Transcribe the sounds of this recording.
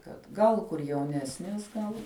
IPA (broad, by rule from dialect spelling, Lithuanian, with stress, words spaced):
kɐt ˈɡɐlˠ kʊr jɛʊˈnʲæːsʲnʲeːs ˈɡɐlˠ